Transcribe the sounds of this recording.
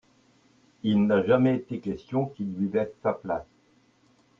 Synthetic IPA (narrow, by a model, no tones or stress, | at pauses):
ilnaʒamɛet̪ekʲɛst̪jɔ̃kʲilɥivɛsːaplas